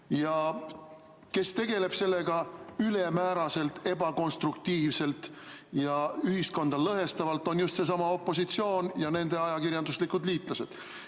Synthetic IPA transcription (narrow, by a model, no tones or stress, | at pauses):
jɑ | ke̞st̪e̞ɡe̞le̞b̥se̞lːe̞ɡ̥ɑyle̞mæːɾɑse̞lt̪ːe̞bɑko̞nst̪rukt̪iːvse̞lt̪ | jɑyhisko̞nd̪̥ɑlɤɦe̞st̪ɑvɑlt̪ːˑo̞njust̪se̞s̬ɑmɑo̞pːˑo̞s̬it̪sio̞ːnjɑne̞nd̪̥e̞ɑjɑkiɾjɑnd̪uslikud̪liːt̪ˑlɑse̞̰d̪̥